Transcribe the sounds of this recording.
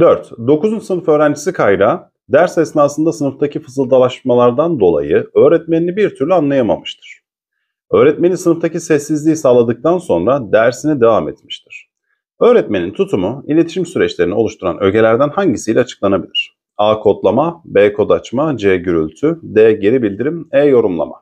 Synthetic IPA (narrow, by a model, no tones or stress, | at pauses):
d̪øɾt̪d̪o̞kuzunsɯnɯfø̞ːɾænd͡ʒisikʰajɾa | d̪æɾsɛsnaːsɯnd̪asɯnɯft̪ʰacʰifɯzɯlˠd̪alˠaʃmalˠaɾd̪and̪o̞lˠa̰jɯø̞ːɾɛt̪̚meninibiɾt̪ʰyɾlʲyanlˠajama̰mɯʃt̪ʰɯ̥ɾ̥ | ø̞ːɾɛt̪me̞nisɯnɯft̪ʰacisɛsːizlʲijisaːlˠad̪ɯk̚t̪ʰanso̞nɾad̪æɾsinɛd̪e̞vaːmet̪miʃt̪ʰiɾ̥ | ø̞ːɾɛt̪me̞nint̪ʰut̪ʰumuilʲeiʃimsyɾɛt͡ʃlʲeɾinio̞lˠuʃt̪ʰuɾa̰nʔø̞ɟe̞lʲæɾd̪ænhaɲɟisijlʲɛat͡ʃʰɯ̥klˠanabilʲiɾ̥ | aːkʰo̞t̪lˠamabɛːkʰo̞d̪at͡ʃmad͡ʒɛɟyɾylʲt̪ʰyd̪ɛːɟe̞ɾibilʲd̪iɾimɛːjo̞ɾumlˠa̰ma̰